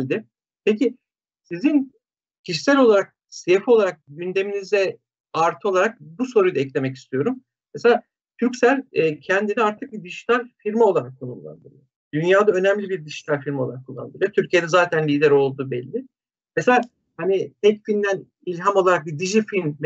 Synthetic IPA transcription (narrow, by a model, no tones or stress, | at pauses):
d̪ɪ | pʰecʰi | sizin | cʰiʃi̥sælʲo̞lˠaɾak̚ | sefio̞lˠaɾak̚ɟynd̪e̞minizɛ | aɾt̪ʰɯo̞lˠaɾak̚buso̞ɾujd̪aɛclʲe̞mɛci̥st̪ʰijo̞ɾum | meselʲaː | t̪ʰyɾcsælʲːcʰɛnd̪iniaɾt̪ʰɯk̚bid̪iʃi̥t̪ʰaɾʲfiɾmao̞lˠaɾakʰːonumlˠa̰nd̪ɯɾ̰ | d̪ynjaːd̪aø̞næmlʲibiɾd̪iʃi̥t̪ʰaɾʲfiɾmolˠaɾakʰːulˠːa̰nd̪ɯɾot̪ʰyɾcʰije̞d̪ɛzaːt̪ʰænlʲiːd̪æɾo̞lˠd̪uːbɛlʲːɪ | mese̞lʲaː | hanit̪ʰɛcfind̪æn | ilʲɦamo̞lˠaɾak̚bid̪iʒifilʲmm